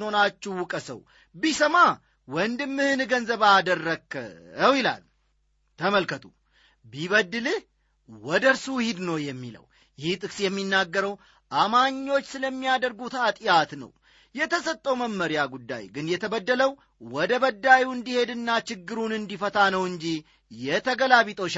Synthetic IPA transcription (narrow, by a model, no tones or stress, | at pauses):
nho̞nat͡ʃːɛhwʊkʼəsə̰w | bisəma | wɔnd̪ɨmːɨhɨnɡənzəβad̪ərːəkʰːə̰əwjɪla̰l | t̪ʰəməlkʰət̪ʰu | biβəd̪ːɨlɨh | wɔd̪əɾsuhid̪nəwjɛmːḭlə̰w | jɪht̪ʼɨkʼsjɛmːinːaɡːəɾəw | ʔamaɲːo̞t͡ʃːsɨləmːijad̪əɾɡut̪at̪ʼjat̪nə̰w | jɛt̪ʰəsət̪ʼːəwməmːəɾjaɡud̪ːa̰jɡɨnjɛt̪ʰəbəd̪ːələw | wɔd̪əβəd̪ːajuɨnd̪ihe̞d̪ɨnːat͡ʃɪɡːɨɾunɨnd̪ifət̪ʰanəwɨɲd͡ʒi | jɛt̪ʰəɡəlaβit̪ʼoʃ